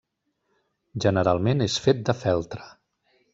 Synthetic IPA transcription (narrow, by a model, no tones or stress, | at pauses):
ʒənəɾalˠmenesfet̪̚d̪əfɛlˠt̪ɾə